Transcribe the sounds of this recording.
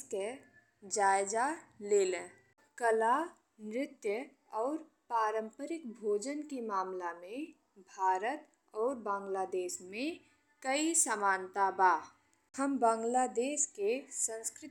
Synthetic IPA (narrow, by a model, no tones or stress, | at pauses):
t̪jə | d͡ʒaːjd͡ʒaleːlẽː | kəla | nɾɪt̪jə | ɔːɾ | paːɾə̃mpəɾɪkbʱoːd͡ʒənkimaːmlamẽ | bʱaːɾət̪ | ɔːɾbãːŋɡlaːd̪eːʃmẽ | kəisamaːnt̪abaː | həmbãːŋɡlad̪eːʃkesə̃nskɾɪ